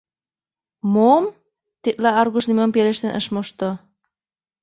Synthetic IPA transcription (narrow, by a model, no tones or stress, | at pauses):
mom | t̪et̪lɑɑrɣuʃnimompeleʃt̪ĕnʔə̰ʃmoʃt̪o